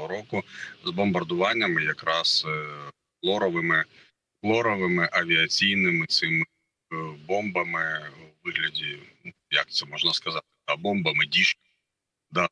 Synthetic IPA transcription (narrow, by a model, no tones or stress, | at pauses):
ɔɾɔkʊzbɔmbɐrd̪ʊʋɑnʲːɐmɪjɐkɾɑs | flˠɔɾɔʋɪmɪ | flˠɔɾɔʋɪmɪʔɐʋʲiɐt͡sʲijnɪmɪt̪sɪmɪ | bɔmbɐmɪʋɪɦlʲɐdʲinu | jɐk̚t̪sɛmɔʒnɐskɐzɑt̪ɪ̥d̪abɔmbɐmɪdʲiʃ | d̪ɑ